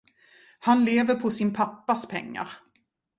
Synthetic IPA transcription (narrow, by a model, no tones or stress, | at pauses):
hanleːvəɾpʰɔsɪnpʰapːaspʰɛ̰ŋːa̰ɾ